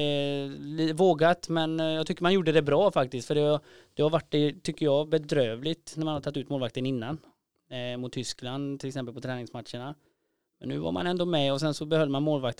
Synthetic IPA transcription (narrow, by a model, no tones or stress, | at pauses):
liːt̪əvoːɡat̪mɛnjɑːt̪ʰʏkːəmanjuɖːəd̪ɛbɾɑːfak̚t̪ɪskt̪fœɖɛ | d̪̥ɛhaɾvaʈːɖɛt̪ʰʏkːəɾjɑbɛd̪ɾøːvlɪt̪næɾmanhaɾt̪ʰat̪ːʉ̟ːt̪moːlvak̚t̪ənɪnːan | mʊt̪ʰːʏskland̪t̪ʰɪlɛksɛmpəlpʰɔt̪ʰɾɛːnɪŋsmat̪ʂəɳa | mɛnːʉ̟ːva̰ɾma̰nɛnd̪oːmɛɔsɛnsɔbɛhœld̪əmanmoːlvakt̪